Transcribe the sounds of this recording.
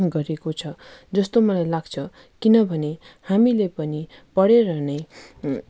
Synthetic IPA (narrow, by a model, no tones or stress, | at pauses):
mɡʌɾekot͡sʰʌd͡zʌst̪omʌlajlaɡt͡sʰʌ | kinʌbʱʌne | hamilepʌni | pʌɽeɾʌnʌj